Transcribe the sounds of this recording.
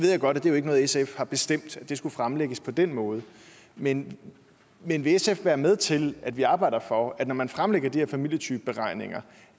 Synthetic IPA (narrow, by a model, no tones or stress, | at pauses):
ʋe̝ð̰ˠjaɡ̥ɒ̽ɾ̥æd̥ejoe̝ɡ̥nɔ̽ːð̩ˠesefhɑ̈b̥e̝sd̥em̰d̥æd̥e̝sɡ̥ufʁamleɡ̥əspʰɒ̽d̥en̰mɔ̽ːð̞ˠ | men | menʋe̝esefʋæːɐmeð̞ˠt͡sʰe̝læd̥ʋiɑ̈ːb̥ɑ̈ɪ̰̥ɐfɒ̽æd̥nɒmænfʁamleɡ̥ɐd̥i̥heɛɐfæmil̰jət͡sʰyːb̥əb̥e̝ʁɑ̈ɪ̰ne̝ŋɐ